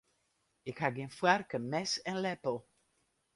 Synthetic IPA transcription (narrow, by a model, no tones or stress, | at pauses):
ekaɡĩnfwaɾkəmɛsɛ̃nlɛpo